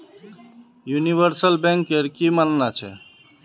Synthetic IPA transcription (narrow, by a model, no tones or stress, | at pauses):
juniʋəɾsəlbɛ̃ŋkeɾkimannat͡ʃʰɛ̰